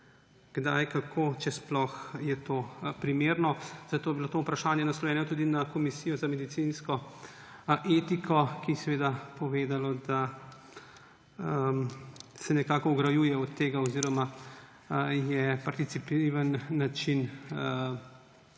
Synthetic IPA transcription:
ɡ̥d̪ajkakʰoːt͡ʃɛsplɔxjɛt̪opɾimeːɾnɔz̥at̪oːjɛbilot̪oːupɾaʃaːnjɛnaslɔjɛːnɛɔt̪uːd̪inakɔmisijɔzamɛd̪it̪sinskɔ | ʔeːt̪ikʰɔkiɛsɛʋeːd̪apɔʋeːd̪alɔd̪a | sɛnɛkaːkɔɔɡɾajuːjɛɔt̪ːeːɡaɔziːɾɔma | jɛpaɾt̪it̪sipiʋənːat͡ʃin

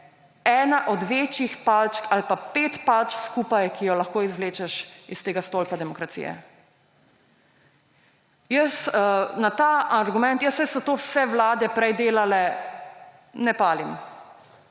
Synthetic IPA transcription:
ɛːnaʔɔd̪ʋeːt͡ʃixpalt͡ʃkalpapeːt̪palt͡ʃkskupajkijɔlaxkoːizʋleːt͡ʃɛʃist̪eːɡast̪oːlpad̪ɛmɔkɾat̪sḭjɛ̰ | jəsnat̪aaɾɡumɛnt̪jəsɛsɔt̪owsɛʋlaːd̪ɛpɾɛjd̪eːlalɛ | nɛpaːlim

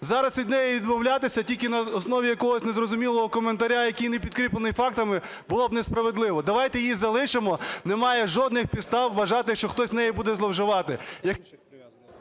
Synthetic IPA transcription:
zɑɾɐsʋʲid̪nɛjiʋʲid̪mɔwlʲat̪ɪsʲɐtʲilʲkɪnɐɔsnɔʋʲijɐkɔɦɔsʲnezrɔzʊmʲilˠɔɦɔkɔment̪ɐɾʲajɐkʲijnepʲid̪̥̚kɾʲiplˠenɪjfɑk̚t̪ɐmɪ | bʊlˠɔb̚nespɾɐʋed̪lˠɪʋɔd̪ɐʋɑjt̪ɛjizɐlˠɪʃɪmɔnemɑjɛʒɔd̪nɪxpʲid̪st̪ɑwːɐʒɑt̪ɪʃt͡ʃɔxt̪ɔsʲznɛjibud̪ɛzlˠɔwʒɪʋɑt̪ɪjɐ

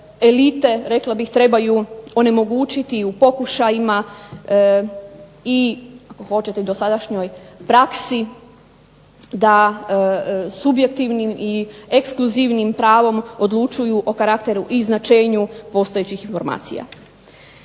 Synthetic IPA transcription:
e̞lit̪e̞ɾe̞klˠabixt̪ɾe̞bajuo̞ne̞mo̞ɡuːt͡ʃit̪iupo̞kuʃajima | iako̞xo̞t͡ʃet̪eid̪o̞sad̪aʃɲo̞jpɾaksi | d̪a | subje̞k̚t̪iʋnimʔiekskluziʋnimpɾaːʋo̞mo̞d̪lˠut͡ʃujuʔo̞kaɾakt̪e̞ɾuʔiznat͡ʃe̞ːɲupo̞st̪oet͡ɕixinfo̞ɾma̰ːt̪sḭja̰

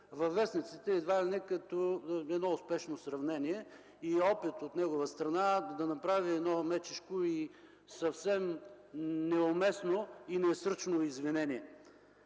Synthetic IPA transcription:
vɐvːɛsnit̪sit̪ɛːd̪vad̪ɛnɛkɐt̪ɔɛd̪nɔʊspɛʃnosɾɐvnɛniɛ | iɔpit̪ot̪nɛɡʊvəst̪ɾɐnad̪ɐnɐpɾaviɛd̪nɔmɛt͡ʃɛʃkoi | sɐfsɛm | nɛomɛsnoinɛsɾ̩t͡ʃnoizvinɛniɛ

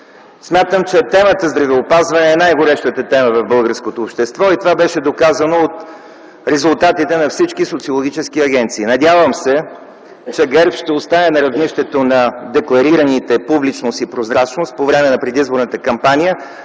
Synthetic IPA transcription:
smʲjat̪əmt͡ʃɛt̪ɛmət̪əzd̪ɾɐvɛopazvɐnɛːnajɡʊɾɛʃt̪ət̪ət̪ɛməvɐvbɤlˠɡəɾskot̪oːpʃt̪ɛst̪vɔit̪ovabɛʃɛd̪okazənoot̪ | ɾɛzʊlˠt̪at̪it̪ɛnɐfsit͡ʃkisot̪siolˠoɡʲit͡ʃɛsk̟iɐɡʲɛnt̪siːnɐd̪ʲjavəmsɛ | t͡ʃɛɡɛɾpʃt̪ɛost̪anɛnɐɾɐvniʃt̪ɛt̪onɐd̪ɛklˠɐɾiɾɐnit̪ɛpublit͡ʃnost̪ipɾozɾat͡ʃnost̪̚povɾɛmɛnɐpɾɛd̪izboɾnət̪əkɐmpanʲijə

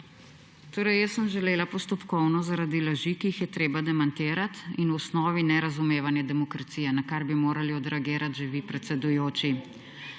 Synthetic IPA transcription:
t̪oːɾɛjjəsːəmʒɛleːlapɔst̪ɔpkɔwnɔzaɾad̪ilaʒikiːxjɛt̪ɾeːbad̪ɛmant̪eːɾat̪inwɔsnɔːʋinɛɾazumeːʋanjɛd̪ɛmɔkɾat̪sijɛnakaɾbimoːɾaliɔd̪ɾɛaɡeːɾat̪ʒɛʋipɾɛt̪sɛd̪ujoːt͡ʃi

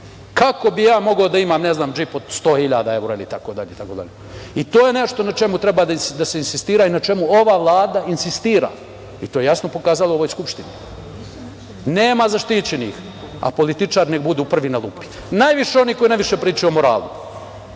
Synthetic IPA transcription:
kako̞bijaːmo̞ɡaod̪aimaːmneznaːmd͡ʒipod̪st̪o̞ːhiʎaːd̪ae̞wɾoilit̪akod̪aʎeit̪akod̪a̰ʎeit̪oːjene̞ʃt̪onat͡ʃe̞mut̪ɾebaːd̪aisd̪ase̞insist̪iːɾainat͡ʃe̞muoʋaːʋlˠaːd̪ainsist̪iːɾa̰ː | it̪oːje̞jasnopo̞kaːzalooojskupʃt̪ini | ne̞ːmazaʃt̪it͡ɕenḭx | a̰po̞lit̪it͡ʂaːɾneɡbud̪uːpr̩ʋinalˠupi̥ | najʋiʃeo̞niːko̞jinajʋiʃe̞pɾiːt͡ʃojomoɾa̰ːlṵ

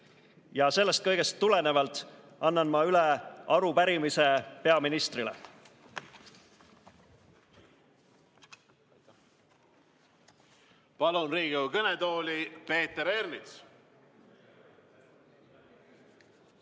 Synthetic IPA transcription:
jɑse̞lːe̞st̪̚kɤjɡ̥e̞st̪ːulene̞vɑlt̪ːˑ | ɑnːɑnmɑyleɑɾupæɾimise̞pe̞ɑminist̪rilḛ | pɑlunriːɡ̥iukɤnet̪oːlʲipe̞ːt̪eɾeɾnit̪s

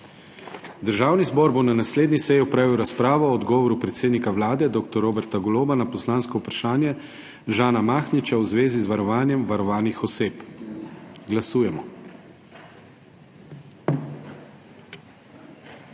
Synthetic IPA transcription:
d̪əɾʒaːwnizbɔːɾbonanasleːd̪nisɛjiɔpɾaːʋiwɾaspɾaːʋɔːd̪ɡɔːʋɔɾupɾɛt̪seːd̪nikawlaːd̪ɛd̪oːk̚t̪ɔɾoːbɛɾt̪aɡɔloːbanapɔslaːnskɔupɾaʃaːnjɛ | ʒaːnamaːxnit͡ʃawzʋeːzizʋaɾɔʋaːnjɛmʋaɾɔʋaːnixɔseːp | ɡlasuːjɛmɔ

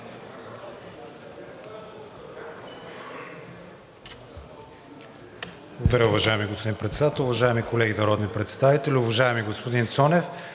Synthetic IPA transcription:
blˠɡod̪ɐɾʲəʊvɐʒaɛmiɡospod̪inpɾɛt̪sɛd̪at̪əlˠʊvɐʒaɛmikolɛɡinɐɾɔd̪nipɾɛt̪st̪avit̪ɛlʲiʊvɐʒaɛmiɡospod̪int̪sɔnɛf

